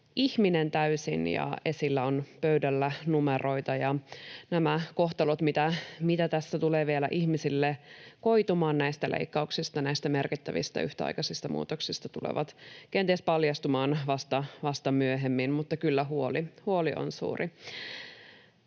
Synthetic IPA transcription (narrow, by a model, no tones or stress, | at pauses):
ʔiçminent̪æysḭnjɑ̰e̞silːæonpøydælːænumero̞it̪ɑjɑnæmæko̞ht̪ɑlot̪mit̪æmit̪æt̪æsːæt̪uleːʋielæ̰ʔiçmisilːeko̞it̪umɑːnnæist̪ælʔḛikːɑuksist̪ɑnæist̪æmerkit̪ːæʋḭst̪æ̰yht̪æɑ̰jkɑsist̪ɑmʔṵːt̪oksist̪ɑt̪ulḛʋɑ̰t̪kent̪iespɑljɑst̪umɑːnʋɑst̪ɑʋɑst̪ɑmyøɦemːinmut̪ːɑkylːæɦuolihuoliʔo̰nsṵːri